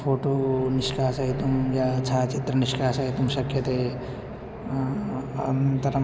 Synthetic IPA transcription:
pʰoːʈoːniʃkaːsɐɦit̪umjat͡ʃʰaːt͡ʃit̪ɾɐniʃkaːsɐɦit̪umʃɐkʰjɐt̪eː | ɐnnt̪ɐɾɐ

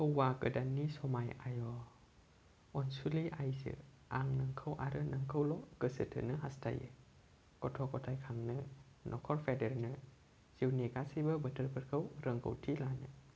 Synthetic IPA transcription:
kəwːakɯdanːisɔmajajɔ | ɔnsuliʔajsɯ̰ | ʔaŋnɯŋkʰəwʔaɾɯnɯŋkʰəwlɔkəsɯtʰɯ̰nɯɦastʰa̰jɯ̰ | kɔtʰɔkɔtʰajkʰaŋnɯ | nʔɔkʰɔɾpʰedeɾnɯ | z̥iwniɡasijbəbətʰəɾpʰəɾkʰəwɾəŋkʰə̰wtʰilanɯ̰

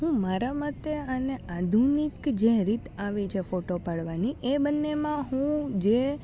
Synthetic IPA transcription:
ɦũmaɾamət̪əənead̪ʱunikd͡ʒeɾit̪aʋet͡ʃʰefoʈopaɽʋaniʔebənːemãɦũd͡ʒe

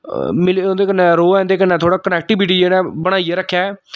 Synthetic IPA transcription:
mɪlːõnd̪eːkənːɛ̃ːɾoːɛ̃ːnd̪eːkənːɛ̃ːt̪ʰoːɽaːkənɛːk̚ʈiːbɪʈiːd͡ʒeːnaːbəɽ̃aːieːɾəkʰːjaː

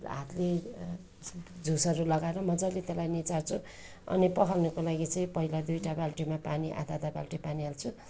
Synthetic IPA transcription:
ɦa̰t̪le | d͡zʱusʌɾulʌɡaeɾʌmʌd͡zalet̪elajnit͡sart͡sʰu | ʌ̰nipʌkʰalnʌkolaɡit͡sʌĩpʌɦilad̪ujʈabalʈimapaniʔa̰d̪ad̪aba̰lʈipaniɦalt͡sʰu

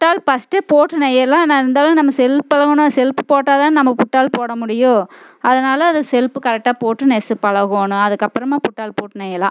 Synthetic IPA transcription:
ʈːaːlpɐsʈeːpoːʈːɯnɛjɐlãːnaɪɾɯnd̪aːlʊ̃nɐmːɐsɛlpːɐɭɐɣɐnʊ̃sɛlpɯ̥poːʈːaːt̪aːnnɐmːɐpʊʈːaːlpoːɽɐmʊɽɪjʊ̃ | ɐðɐnaːlɐɐnðɐsɛlpɯkɐɾɛk̚ʈaːpoːʈːɯnɛsɯpɐɭɐɣoːnʊ̃ɐðɯkːɐpːɯɾɐmaːpʊʈːaːlpoːʈːɯnɛjɐlã̰ː

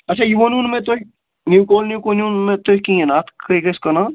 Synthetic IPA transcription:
ɐt͡ʃʰaːjiʋonunmẽt̪o | nukoːlnjukonjuːnmẽt̪okĩenaːt̪ʰkɐkɐskɐna

